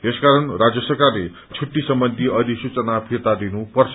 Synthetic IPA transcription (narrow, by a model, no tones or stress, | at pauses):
eskaɾʌnrad͡zjʌsʌrkarle | t͡sʰuʈːisʌmbʌnd̪ʱiʌd̪ʱisut͡sʌnapʰit̪ad̪inupʌrt͡sʰʌ